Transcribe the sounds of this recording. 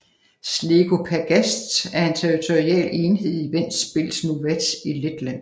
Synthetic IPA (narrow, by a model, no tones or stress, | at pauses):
sle̝ɡ̥o̝pʰæɡ̥æsd̥æɐe̝nt͡sʰeʁit͡sʰoʁiɛ̰le̝ːnhe̝ð̰ˠiʋen̰b̥e̝l̰snuʋed̥iled̥læn̰